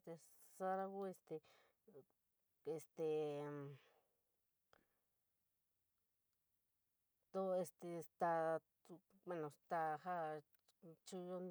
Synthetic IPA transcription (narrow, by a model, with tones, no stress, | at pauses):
st̪e˧ | sa˦ɾa˧ɣu˦e˧st̪e˧ | e˧st̪e˧ | t̪o˧e˧st̪e˧st̪a˧ | ẽ˧nõ˨st̪a˧ha˦ | t͡ʃu˧jo˦n